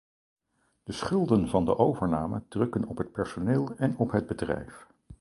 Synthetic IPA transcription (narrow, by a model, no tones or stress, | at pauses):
d̥əsχɵlˠdənvɑndə̰ʔowvəɹnaːmə̰drɵkənɔpɦət̚pɛɹsoneːlˠɛnɔpɦəd̚bədrɛ̰jf